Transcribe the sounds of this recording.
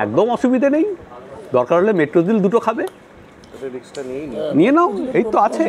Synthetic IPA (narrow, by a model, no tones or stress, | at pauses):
ɛ̰k̚d̪omɔʃubid̪ʱanejd̪ɔɾkaɾɦolemeʈɾozild̪uʈokʰabe | nienaoejt̪ːoat͡ɕʰe